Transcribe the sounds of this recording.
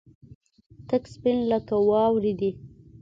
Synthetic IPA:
t̪akspɪnləkawɑwɾid̪i

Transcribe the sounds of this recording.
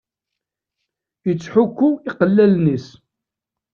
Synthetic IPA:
jət͡sːħʊkːuiqəlːælnis

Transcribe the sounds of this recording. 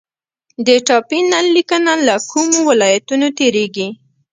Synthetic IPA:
d̪əʈɑpinalːikənalakʰumowɪlɑjat̪unot̪eɾeɡi

